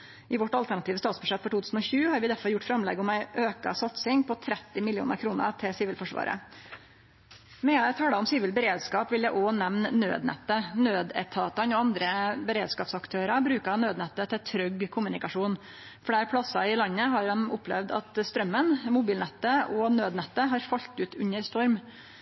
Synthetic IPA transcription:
ʔɪʋɔʈːɑlt̪æɳɑt̪iːʋəst̪ɑːt̪sbʉʂɛt̪ːfɔʈʰuːt̪ʰʉːsn̩ɔçʉːhɑɾʋɪd̪æɾfɔɾjʊʈːfɾɑmlɛ̰ɡɔmæɪʔøːkɑ̰sɑt̪sɪŋpʰɔt̪ʰɾɛt̪ːɪmɪlɪṵːnəɾkʰɾuːnə̰ɾt̪ʰɪlsiːʋɪlfɔʂʋɑ̰ːɾə̰ | mɛt̪ʰɑːləʊmsiːʋɪlbəɾeːd̪skɑːpʋɪljæɪʔɔːnɛʋnːø̰ːd̪nɛ̰t̪ːənøːd̪ɛt̪ʰɑːt̪ɑnɔɑnd̪ɾəbəɾeːd̪skɑːpsɑkt̪ʰøːɾɑbɾʉːkɑnøːd̪nɛt̪ːət̪ʰɪt̪ʰɾœɡkʰʊmʉnɪkɑʂuːn | fɔɽæːɾpʰɽɑsɑɪlɑnːəɦɑɾɛmʊpʰːlɛʋd̪ɑ̰t̪st̪ɾœmːənmʊbiːlnɛt̪ːəɔnøːd̪nɛt̪ːəɦɑɾfɑʎt̪ʉːt̪ʉɲəɾst̪ɔɾm

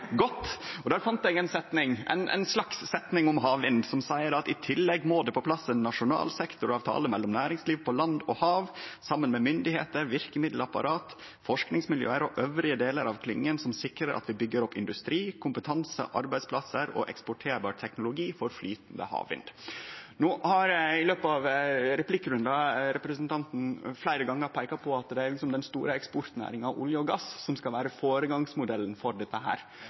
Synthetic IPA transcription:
ɡɔt̪ːɔd̪æːɾfɑnt̪ɛɡɛnsɛt̪nɪŋʔɛ̰ɪnʔɛ̰ɪnslɑksːɛt̪nɪŋʊmɦɑːʋɪnd̪sɔmsæɪəɾɑt̪ɪt̪ʰɪlːɛɡmoːd̪ɛpɔpʰlɑsːənːɑʂʊnɑ̰ːlsɛkt̪ʊɾɑʋt̪ʰɑ̰ːləmɛlːɔmnæːɾɪŋsliːʋpʰɔlɑnd̪ɔhɑːʋsɑmːənmɛmʏnd̪ɪhḛːt̪əɾʋɪɾkəmɪd̪l̩ɑpɑ̰ɾɑːt̪ | fɔʂknɪŋsmɪljø̰ːəɾɔʔœʋɾɪəd̪eːləɾɑʋkʰlɪŋːənsɔmsɪkɾəɾʔɑ̰t̪ʋɪbʏɡːəɾɔpːɪnd̪ʉst̪ɾiːkʰʊmpət̪ʰɑnsə̰ʔɑɾbæɪspʰlɑsəɾɔ̰ʔɛ̰kspɔʈʰeːɾbɑːɾt̪ʰɛknʊlʊɡiːfɔɾflyːt̪nd̪ə̰hɑ̰ːʋɪ̰nd̪noːʔhɑɾɪløːpɑʋɾɛplɪkːɾʉnd̪ɑɾɛpɾəsənt̪ɑnt̪n̩flæɪɾəɡɑŋːəɾpʰæɪkɑpʰɔɑt̪d̪ɛæɾlɪksɔmd̪ɛnst̪ṵːɾəɛkspɔɾt̪næ̰ːɾɪŋɑʊ̰ljəɔɡɑssɔmskɑlʋæːɾəfoːɾəɡɑŋsmʊd̪ɛlːənfɔɾɖɛt̪ːəɦæ̰ːɾ

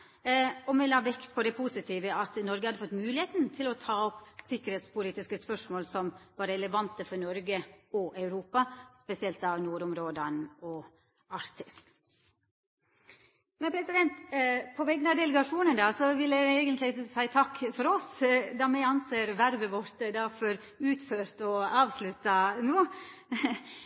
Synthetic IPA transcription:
ɔmɛlɑːʋɛkt̪pʰɔd̪ɛpʰuːsɪt̪ʰiːʋəɑt̪nɔɾɡəhɑd̪əfɔt̪ːmʉːlɪheːt̪nt̪ʰɪlɔt̪ʰɑːɔpːsɪkːəɾheːt̪spʰʊliːt̪ɪskəspœʂmoːlsɔmʋɑːɾəɛləʋɑnt̪əfɔɾnɔɾɡəɔʔɑʉɾuːpɑspɛsɪɛlt̪ɑʋnuːɾʊmɾoːd̪ɑnɔ | ɑɾt̪ʰɪs | mɛnpʰɾɛsɪd̪ɛnt̪pʰɔʋɛɡːənɑd̪ɛləɡɑʂuːnənd̪ɑsɔʋɪljæɪeːɡənt̪lɪsæɪt̪ʰɑkːfɔɾɔsd̪ɑmæɪɑnseːɾʋæɾʋəʋɔɾt̪d̪ɑfɔɾ | ʉːt̪føːɾt̪ɔɑːʋslʉt̪ːɑnoː

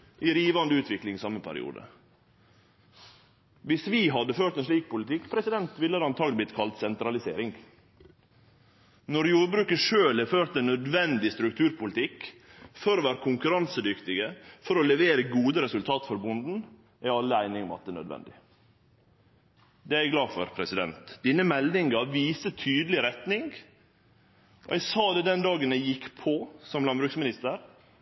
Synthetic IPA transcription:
ʔɪɾiːʋɑnd̪əʉːt̪ʰʋɪklɪŋɪsɑmːəpʰæ̰ɾɪ̰ṵːd̪ə̰ | ʋɪsʋiːɦɑd̪ːəføːɾʈ̪t̪ɛnʂliːk̚pʊlɪt̪ɪkːpʰɾɛsɪd̪ɛnt̪ʋɪlːəd̪ɑnt̪ʰɑːɡ̪blɪt̪kʰɑlt̪sɛnt̪ɾɑlɪsḛːɾɪŋɡ | nɔɾjuːɾbɾʉːkəʂøːlɛføːɾt̪ɛnːœd̪ʋɛnd̪ɪst̪ɾʉkt̪ʰʉːɾpʰʊlɪt̪ʰɪkfɔɾoːʋæːɾəkʰʊŋkʉɾɑnsəd̪ʏkt̪ɪɡəfɔɾɔlɛʋeːɾəɡuːd̪əɾɛsʉlt̪ʰɑːt̪fɔɾbʊnd̪n̩ | æɪɑlːəæɪnɪŋɔmɑ̰t̪̚d̪ɛːnœ̰d̪ʋɛ̰nd̪ɪ | d̪ɛæɾæɡlɑːfɔ̰ɾpʰɾɛsɪd̪ɛ̰nt̪d̪inəmɛlnɪŋɡɑʋiːsət̪ʰyːd̪lɪɾɛt̪nɪŋɡ | ʔɛɡsɑːd̪ɛːd̪ɛnd̪ɑːɡənæɪjɪkːpʰɔsɔmlɑnbɾʉksmɪnɪst̪əɾ

